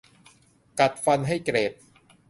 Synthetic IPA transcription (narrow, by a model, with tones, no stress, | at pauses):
ka˨˩t̪̚fa˧nɦa˥˩jkɾeː˨˩t̪̚